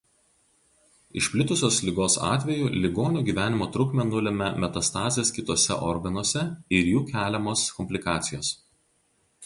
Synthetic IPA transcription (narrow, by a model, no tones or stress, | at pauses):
ɪʃʲpʲlʲɪt̪ʊsʲoːslʲɪɡoːsɑ̰ːt̪ʲʋʲɛjuːlʲɪɡoːnʲuːɡʲiːʋʲæːnʲɪmoːt̪ɾʊkmʲɛnʊlʲɛmʲɛmʲɛt̪ɐst̪ɑːzʲeskʲɪt̪oːsʲɛ̰ʔɔɾɡɐnoɔsʲɛɪɾjuːkʲæːlʲɛmoːskɔmʲpʲlʲɪkɑːt̪sʲɪjoːs